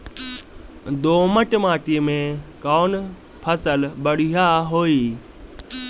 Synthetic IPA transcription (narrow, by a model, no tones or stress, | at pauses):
d̪oːməʈmaːʈimẽkɔːn | pʰəsəlbəɽ̤ijaɦoːiː